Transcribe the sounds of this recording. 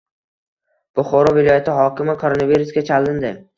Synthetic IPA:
b̥ʊχɒɾɒvɪlˠɒjat̪ʰɪɦɒkʲɪmɪkʰoɾonaviɾusɡʲat͡ʃʰalɪnd̪ɪ

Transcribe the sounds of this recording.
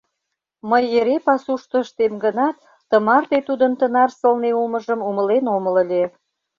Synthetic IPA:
məjeɾepɑsuʃt̪ə̆ʃt̪emɡənɑt̪ːəmɑrt̪et̪ud̪ənt̪ənɑrsəlneuməʒəmuməlenomələ̆lʲe

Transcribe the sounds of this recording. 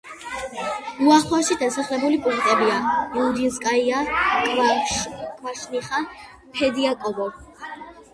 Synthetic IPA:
uaχaʃid̪asaχlɛbulipʼuŋkʰʼt̪ʼɛbiaiud̪inskʼaiakʼvaʃkʼvaʃniχa | pʰɛd̪iakʼɔbɔ

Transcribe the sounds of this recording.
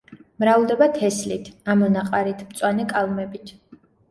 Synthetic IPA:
mɾavlˠd̪ɛbat̪ʰɛslit̪ʰamɔnaqʼaɾit̪ʰmt̪sʼwanɛkʼalˠmɛbit̪ʰ

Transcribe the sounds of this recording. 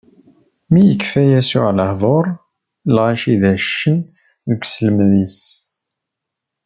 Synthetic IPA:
mijəkːfæjæsuʕləhðˤoɾˤ | lʁaʃiðæʃːən | ðəkʷsləmðis

